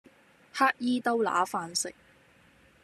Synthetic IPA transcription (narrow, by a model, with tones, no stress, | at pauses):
haː˥k̚jiː˥t̪o˥wla̰ː˨˥faː˧nsɪ˨k̚